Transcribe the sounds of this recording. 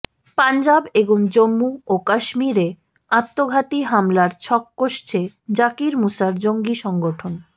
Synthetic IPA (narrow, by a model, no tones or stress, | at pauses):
pand͡ʑabeboŋd͡ʑomːuokaʃmiɾe | at̪ːoɡʱat̪iɦamlaɾt͡ɕʰɔkːoʃt͡ɕʰe | d͡ʑakiɾmusaɾd͡ʑoŋɡiʃɔŋɡoʈʰon